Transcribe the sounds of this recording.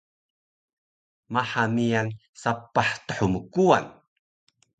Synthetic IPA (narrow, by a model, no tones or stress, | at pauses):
maħamijan | sapːaħt̪əħuməkua̰n